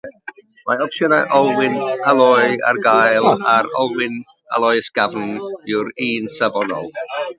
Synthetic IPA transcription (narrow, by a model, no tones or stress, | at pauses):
maɔpsjənaʔɔlˠwɪnəlˠɔɨa̰rɡajlˠaɾɔ̰lˠwɪn | ə̰lˠɔɨsɡ̥avn̩ɪwɾiːnsəvɔnɔ̰lˠ